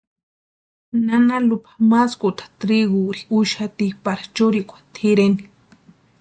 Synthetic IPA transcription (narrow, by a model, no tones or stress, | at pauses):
nanalʊpḁmaskut̪ḁt̪ɾiɡuɾiuʃat̪ipaɾḁt͡ʃʊɾikʷḁt̪ʰiɾeni